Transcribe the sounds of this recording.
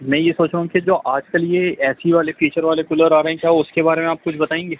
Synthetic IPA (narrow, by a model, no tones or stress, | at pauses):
mɛ̃ːjesoːt͡ʃũkid͡ʒoːʔaːd͡ʒkəljeɛːsiʋaːlefiːt͡ʃəɾʋaːlekʊləɾaːɾəɦɛ̃kjaːʊskebaːɾemẽaːp̚kʊt͡ʃʰbɐt̪aːẽːŋɡeː